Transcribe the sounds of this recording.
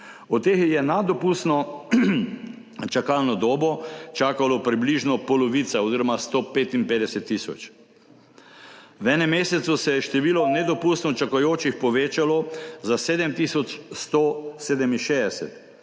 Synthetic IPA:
ɔt̪ːeːxjɛnad̪ɔpuːst̪nɔ | t͡ʃakalnɔd̪oːbɔt͡ʃaːkalɔpɾibliːʒnɔpɔlɔʋiːt̪saoziɾɔmast̪opeːt̪inpeːd̪ɛsɛt̪ːisɔ̰t͡ʃ | wɛnɛmeːsɛt̪susɛjɛʃt̪ɛʋiːlɔnɛd̪ɔpuːst̪nɔt͡ʃakajoːt͡ʃixpɔʋeːt͡ʃalɔzaseːd̪ɛmt̪isɔt͡ʃst̪oseːd̪ɛminʃeːd̪ɛsɛt̪

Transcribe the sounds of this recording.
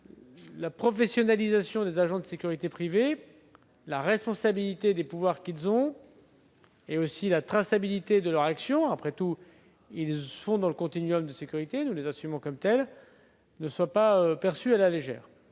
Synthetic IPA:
lapχɔfesjɔnalizasjɔ̃d̪ezaʒɑ̃d̪əsekʲyʁit̪epχive | laʁɛspɔ̃sabilit̪ed̪epuvwaʁkʲilzɔ̃ | eosilat̪χasabilit̪ed̪əlœʁaksjɔ̃apχɛt̪u | ilfɔ̃d̪ɑ̃ləkɔ̃t̪inɥɔmd̪əsekʲyʁit̪enulezɛ̃symɑ̃kɔmt̪ɛl | nəswapaøpɛʁsyalaleʒɛ̰ːʁ

